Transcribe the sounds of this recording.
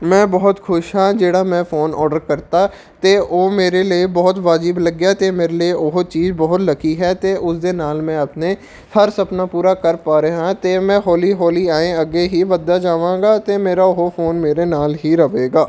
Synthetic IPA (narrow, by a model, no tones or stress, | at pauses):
mɛ̃ːbɔɦʊt̪xʰʊʃɦãːd͡ʒeːɽaːmɛ̃ːfoːnɔːɾɖəɾkəɾt̪aː | t̪eoːmeːɾeliebɔɦʊt̪ʋaːd͡ʒibləɡjaːt̪eːmeːɾelieʔoɦot͡ʃiːzbɔɦʊt̪ləkʰiɦɛːt̪eːʔʊsd̪eːnaːlmɛ̃ːəpneː | həɾsəpnaːpuːɾaːkəɾpaːɾeːɦãːt̪eːmɛ̃ːɦɔːliːɦɔːliaːẽəɡeːɦibəd̪ːaːd͡ʒaːʋãːɡaːt̪emeːɾaːoɦofoːnmeːɾeːnaːlɦiɾəʋeːɡaː